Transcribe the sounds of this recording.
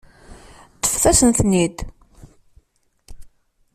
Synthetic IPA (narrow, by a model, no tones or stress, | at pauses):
t̪ːə̥fθæsənθnid̪